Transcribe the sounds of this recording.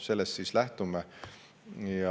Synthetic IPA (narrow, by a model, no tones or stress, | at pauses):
se̞lːest̪siːslæht̪ume | jɑ